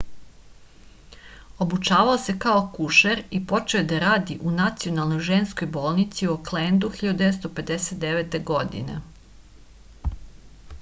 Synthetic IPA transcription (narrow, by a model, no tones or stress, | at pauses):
o̞but͡ʃaːʋaose̞kaokuʃeɾipo̞t͡ʃe̞od̪aɾaːd̪iʔunat̪sio̞nalˠno̞jʒe̞nsko̞jbo̞ːlˠnit̪sioklend̪uxiʎad̪ud̪eet̪st̪o̞pe̞d̪eset̪̚d̪eʋet̪e̞ɡo̞d̪ḭne̞̰